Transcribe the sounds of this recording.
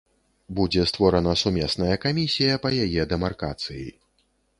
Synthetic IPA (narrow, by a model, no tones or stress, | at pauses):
bud͡zʲɛst̪vɔɾɐnɐsumʲɛsnɐjɐkamʲisʲijɐpɐjajɛd̪ɛmarkat̪sɨjḭ